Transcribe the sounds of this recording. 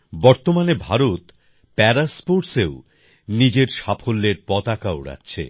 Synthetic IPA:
bɔɾt̪omanebʱaɾot̪ | pɛɾaspoɾseʊ | nid͡ʑeɾʃapʰolːeɾpɔt̪akaoɽa̰tːɕʰḛ

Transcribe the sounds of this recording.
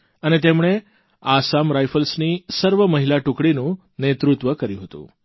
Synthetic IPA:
ənet̪emɳ̃e | asamɾajfəlsnisəɾʋəməɦilaʈukɽinũ | net̪ɾʊt̪ʋəkəɾjũɦət̪ṵ̃

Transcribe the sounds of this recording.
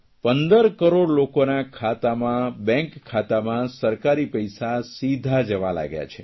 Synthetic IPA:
pənd̪əɾkəɾoɽlokonakʰat̪amãbɛ̃ŋkʰːat̪amãsəɾkaɾipəjsasid̪ʱad͡ʒəʋa̰la̰ɡja̰t͡ʃʰe

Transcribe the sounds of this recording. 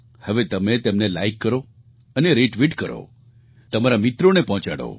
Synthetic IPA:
həʋet̪əmet̪emnelaikːəɾo | əneɾeʈʋiʈkəɾo̰ | t̪əmaɾamɪt̪ɾonepɔɦt͡ʃa̰ɽo̰

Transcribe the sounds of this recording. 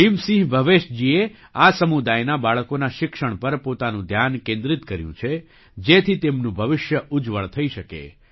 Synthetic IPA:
imsĩɦbʱəʋeʃd͡ʒie | asəmud̪ajnabaɭkonaʃɪkʃəɳ̃pəɾpot̪anũd̪ʱjankẽnd̪ɾɪt̪kəɾjṵ̃t͡ʃʰe | d͡ʒet̪ʰit̪emnũbʱəʋɪʃjəʔud͡ʒʋəɭt̪ʰəiʃəkḛ

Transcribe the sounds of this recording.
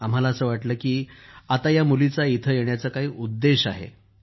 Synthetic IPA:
am̤alaːsəːʋaʈləːkiːat̪ajamulit͡sait̪ʰəjeɳjat͡səkaɦiːʔud̪ːeɕaɦḛ

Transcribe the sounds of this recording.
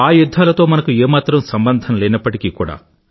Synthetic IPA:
aːjud̪ʱːaːlɐt̪o̞ːmɐnɐkueːmaːt̪ɾɐmsɐmbɐnd̪ʱɐnleːnɐpːɐʈikikuːɽa̰ː

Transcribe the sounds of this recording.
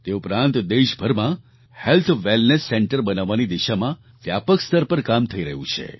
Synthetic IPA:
t̪eupɾãnt̪d̪eʃbʱəɾmã | helt̪ʰʋelnesːɛɳʈəɾbənaʋːanid̪iʃamã | ʋjapəkst̪əɾpəɾkamt̪ʰəiɾəɦũt͡ʃʰḛ

